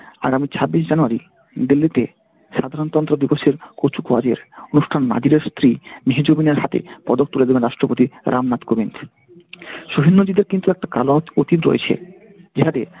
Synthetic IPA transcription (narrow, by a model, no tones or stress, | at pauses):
a̰ɡamit͡ɕʰabːiʃ̬d͡ʑanuaɾi | d̪ilːit̪e | ʃad̪ʱaɾont̪ɔnt̪ɾod̪iboʃeɾkot͡ɕʰukoad͡ʑeɾonuʃʈʰanma̰d͡ʑiɾeɾst̪ɾiniɦid͡ʑomineɾɦat̪ḛpɔd̪ok̚t̪uled̪ebenɾaʃʈɾopot̪iɾʔamnat̪kobind̪ | ʃoɦinːod͡ʑid̪eɾkint̪uɛk̚ʈakalaot̪it̪ɾo̰ḛt͡ɕʰḛ | d͡ʑeɦat̪e